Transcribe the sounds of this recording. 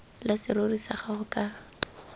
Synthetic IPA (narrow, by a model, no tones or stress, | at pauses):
lasɪɾorisaχaχʊkʼa